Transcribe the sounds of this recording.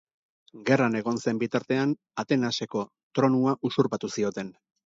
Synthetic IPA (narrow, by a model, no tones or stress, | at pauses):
ɡe̞rane̞ɣ̞o̞nse̞mbit̪aɾt̪e̞an | at̪e̞nase̞ko̞ | t̪ɾo̞nuaʔusuɾpat̪usio̞t̪e̞n